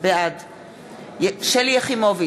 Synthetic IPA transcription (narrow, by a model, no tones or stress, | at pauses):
bead | jʃelijeχimovi